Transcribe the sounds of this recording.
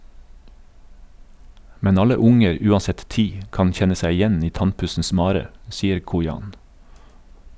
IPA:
ˈmɛn ˈɑlə ˈʊŋəɾ ˈʉːɑˌsɛt ˈtiː ˈkɑn ˈçɛnə ˈsæɪ ɪˈjɛn ˈiː ˈtɑnˌpʉsn̩s ˈmɑːɾə ˈsiːəɾ ˈkuːjɑːn

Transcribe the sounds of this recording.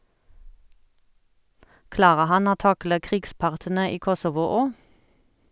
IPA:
ˈklɑːʁə ˈhɑn ˈoː ˈtɑklə ˈkʁiːɡˌspɑʁtənə ˈiː ˈkɔsɔʋʊ ˈoː

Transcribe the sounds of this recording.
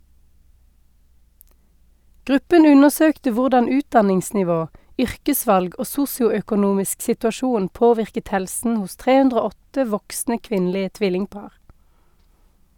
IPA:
ˈɡʁʉpən ˈʉnəʁˌsøːktə ˈʋʊʁdɑn ˈʉːtdɑnɪŋsnɪˌʋoː ˈʏʁkəˌsʋɑlɡ ˈoː ˈsʊsjʊœkʊˌnuːmɪsk sɪtʉɑˈʃuːn ˈpoːʋɪʁkət ˈhɛlsn̩ ˈhʊs ˈtʁeː ˈʉndʁ ˈoː ˈɔtə ˈʋɔksnə ˈkʋɪnlɪə ˈtʋɪlɪŋˌpɑːʁ

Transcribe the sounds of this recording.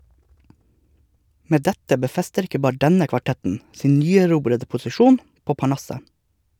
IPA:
ˈmeː ˈdɛtə bəˈfɛstəɾ ˈɪkə ˈbɑːɾə ˈdɛnə kʋɑˈʈɛtn̩ ˈsiːn ˈnyːæˌɾuːbɾədə pʊsɪˈʃuːn ˈpoː pɑˈɳɑsə

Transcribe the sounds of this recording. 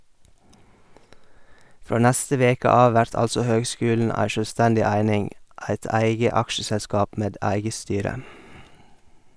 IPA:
ˈfɾoː ˈnæstə ˈʋeːkə ˈɑːʋ ˈʋæɾt ˈɑlsɔ ˈhøːɡˌskʉːln̩ ˈæɪ ʃœˈstændɪ ˈæɪnɪŋ ˈæɪt ˈæɪɡə ˈɑkʃəsɛˌskɑːp ˈmeːd ˈæɪɡə ˈstyːɾə

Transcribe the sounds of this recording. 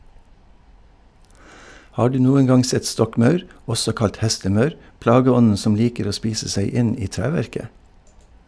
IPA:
ˈhɑː ˈɖʉː ˈnuːən ˈɡɑŋ ˈsɛt ˈstɔkˌmɑʉɾ ˈɔsɔ ˈkɑlt ˈhɛstəˌmɑʉɾ ˈplɑːɡəˌɔnən ˈsɔm ˈliːkəɾ ˈoː ˈspiːsə ˈsæɪ ˈɪn ˈiː ˈtɾæːʋæɾkə

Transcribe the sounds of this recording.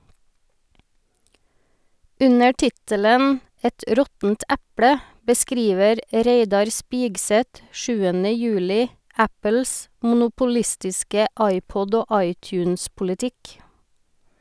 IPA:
ˈʉnə ˈʈɪtələn ˈɛt ˈɾɔtn̩t ˈɛpɽə bəˈskɾiːʋəɾ ˈɾeɪdɑɾ ˈspɪɡsɛt ˈʃʉːənə ˈjʉːlɪ ˈæpəls mʊnʊpʊˈlɪstɪskə ˈɑɪˌpɔd ˈoː ˈʔɑɪˌtjʉːnspʊlɪˌtɪk

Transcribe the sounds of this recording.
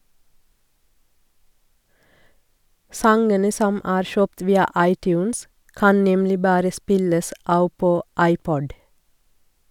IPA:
ˈsɑŋənə ˈsɔm ˈʔæːɾ ˈʃøːpt ˈʋiːɑ ˈɑɪˌtjʉːns ˈkɑn ˈnɛmlɪ ˈbɑːɾə ˈspɪləs ˈʔɑːʋ ˈpoː ˈʔɑɪˌpɔd

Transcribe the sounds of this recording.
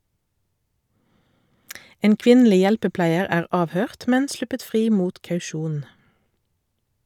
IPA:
ˈeːn ˈkʋɪnˌliː ˈjɛlpəˌplæɪəʁ ˈæːʁ ˈɑːʋˌhøːʁt ˈmɛn ˈslʉpət ˈfʁiː ˈmuːt ˌkɑʉˈʃuːn

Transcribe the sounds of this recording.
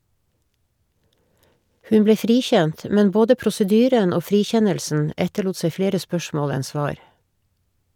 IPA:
ˈhʉn ˈbleː ˈfɾiːˌçɛnt ə ˈmɛn ˈboːdə ˌpɾʊsəˈdyːɾən ˈoː ˈfɾiːˌçɛnəlsn̩ ˈɛtəɭuːt ˈseɪ ˈfleːɾə ˈspœʃmoːl ˈɛn ˈsʋɑːɹ

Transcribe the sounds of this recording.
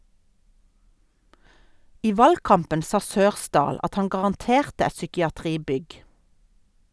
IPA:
ˈiː ˈʋɑlɡˌkɑmpən ˈsɑː ˈsøːʁˌsdɑːl ˈɑt ˈhɑn ɡɑʁɑnˈteːʁtə ˈɛt sʏkɪɑˈtʁiːˌbʏɡ

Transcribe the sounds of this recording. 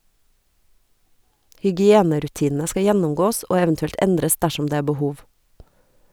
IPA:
hʏɡɪˈeːnəɾʉˌtiːnn̩ə ˈskɑ ˈjɛnʊmˌɡoːs ˈoː ˈɛʋn̩tʉɛlt ˈɛndɾəs ˈdæʃʊm ˈdeː ˈeː bəˈhuːʋ

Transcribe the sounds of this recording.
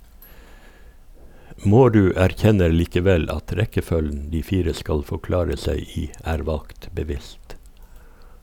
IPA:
ˈmoːˌɾʉː æɾˈçɛnəɾ liːkəˈʋɛl ˈɑt ˈɾɛkəˌfœln̩ ˈdiː ˈfiːɾə ˈskɑl fɔˈklɑːɾə ˈsæɪ ˈiː ˈæːɾ ˈʋɑlkt bəˈʋɪst

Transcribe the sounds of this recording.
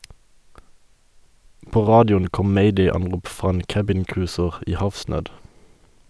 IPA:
ˈpoː ˈʁɑːdɪʊn ˈkɔm ˈmeɪdeɪɑnˌʁuːp ˈfʁɑː ˈeːn ˈkæbɪnˌkʁʉːsəʁ ˈiː ˈhɑfˌsnøːd

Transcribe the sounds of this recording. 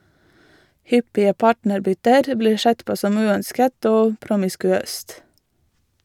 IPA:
ˈhʏpɪə ˈpɑːʈnəɾˌbʏtəɾ ˈbliː ˈʃɛt ˈpoː ˈsɔm ˈʉːœnskət ˈoː pɾʊmɪskʉˈøːst

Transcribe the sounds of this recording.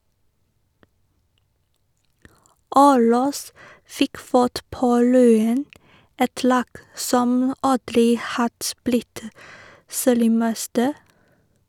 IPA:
ˈɑʉlɑs ˈfɪk ˈfɑʈ ˈpoː ˈlyːən ˈɛt ˈlɑːɡ ˈsɔm ˈɑdɾɪ ˈhɑd ˈblɪt ˈseːɾɪˌmɛstə

